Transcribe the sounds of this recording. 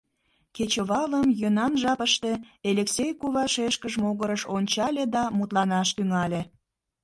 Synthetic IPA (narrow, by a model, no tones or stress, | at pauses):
ket͡ɕəβɑləmjønɑnʒɑpəʃt̪e̽elʲeksʲejkuβɑʃeʃkəʒmoɣəɾəʃonʲt͡ɕɑlʲed̪ɑmut̪lɑnɑʃt̪yŋɑlʲe